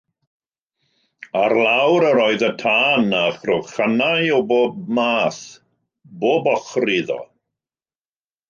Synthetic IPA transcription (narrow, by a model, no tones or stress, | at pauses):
arlˠawɾəɾɔɨðətʰaːnaχrʊχanajɔboːb̚maːθ | boːbɔχriðɔ̰